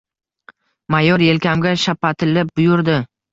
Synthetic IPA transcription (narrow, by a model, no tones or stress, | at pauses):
majɒɾje̞lkʲʰamɡʲaʃapːat̪ʰɪlɪp̚bʊjʊɾd̪ɪ